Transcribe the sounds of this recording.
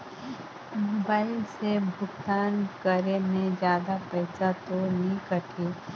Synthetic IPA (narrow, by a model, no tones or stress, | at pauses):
moːbaːɪlsebʱʊkt̪aːnkəɾemẽd͡ʒjaːd̪apɛɪsat̪onɐɦĩkəʈʰiː